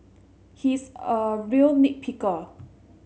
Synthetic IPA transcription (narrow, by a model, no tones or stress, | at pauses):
hisəɹiəlnik̚pʰikə